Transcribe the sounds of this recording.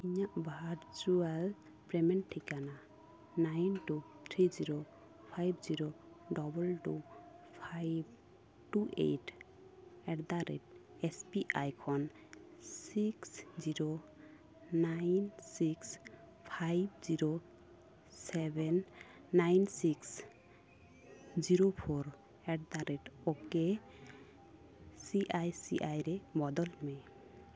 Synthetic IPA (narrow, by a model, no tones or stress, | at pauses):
iɲaʔbaaɾd͡ʒual | pɾɛmɛnʈʰːikana | najnʈu | t̪ʰɾiziɾo | pʰajbziɾo | ɖɔbɔlʈu | pʰajb̚ | ʈuʔḛjʈʰ | ɛɾd̪aɾɛ̰t̚ | ɛspiʔajkʰɔn | siksziɾo | najnsiks | pʰajb̚ziɾo | sɛbɛnː | ajnsiks | d͡ʒiɾopʰoɾ | ɛʈ̚d̪aɾeʈɔke | siʔajsḭʔajɾebɔd̪ɔlmɛ